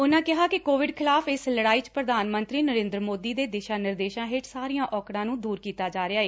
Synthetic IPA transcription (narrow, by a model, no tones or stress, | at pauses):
ʊnãːkɪɦaːkɪkoːʋɪɖkʰɪlaːfɪsləɽaːiːt͡ʃpɾəd̪ʱaːnmə̃nt̪ɾiːnəɾẽːnd̪ɾəmoːd̪iːd̪eːd̪ɪʃaːnɪɾd̪eːʃãːɦɪt͡ʃsaːɾijãːʔɔːkɽãːnũːd̪uːɾkiːt̪aːd͡ʒaːɾeaːeː